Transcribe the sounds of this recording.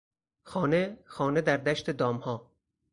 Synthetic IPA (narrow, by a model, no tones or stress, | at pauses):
xɒːnexɒːned̪æɾd̪æʃt̪ʰed̪ɒːmhɒː